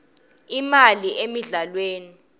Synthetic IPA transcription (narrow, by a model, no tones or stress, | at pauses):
imaliʔemiɮalweːni